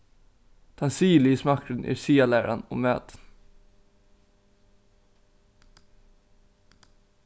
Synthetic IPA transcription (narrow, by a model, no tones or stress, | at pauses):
d̪̥ʰɑnsiːlismɑkɾʉnʔæ̰ːɾsiːɑlæːɾɑ̰no̰ːmø̰ːt̪